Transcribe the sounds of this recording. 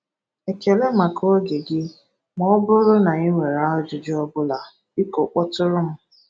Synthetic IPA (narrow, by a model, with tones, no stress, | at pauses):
e˨ke˨le˦ma˨kʰo˦ɡe˨ɡɪ˦ | mɔ˦bʊ˦ɾʊ˦na˨i˦ŋʷe˨ɾa˦ʊ˦d͡ʒʊ˨d͡ʒɪ˦ɔ˦bʊ˦la˨ | i˦ko˨k͡pɔ˦tʊ˦ɾʊ˦m̩˦